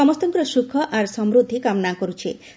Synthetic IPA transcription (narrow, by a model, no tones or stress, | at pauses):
ɔmɔst̪ɔŋkɔɾɔsukʰːɔʔaɾsɔmɾud̪ʱːikamnakɔɾut͡ʃʰi